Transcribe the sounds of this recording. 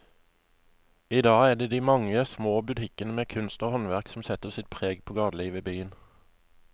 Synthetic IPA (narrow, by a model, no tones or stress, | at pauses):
iːd̪ɑːæd̪eːd̪iːmɑŋəsmoːbʉt̪ʰɪkənəmeːkʰʉnst̪oːhɔnʋæʁksm̩sɛt̪əsɪt̪̚pʰʁeːɡpʰoːɡɑːd̪liːʋəːbyːən